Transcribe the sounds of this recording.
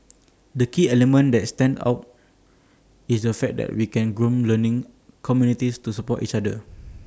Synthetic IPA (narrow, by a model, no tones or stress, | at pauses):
dəkiɛlɛmə̃ndɛt̚stɛ̃nda̰ʊt | isdəfɛk̚dɛ̰t̚wikɛ̃nɡɹũmlənĩŋ | kʰɔmjunitistusəpɔtḭt͡ʃadə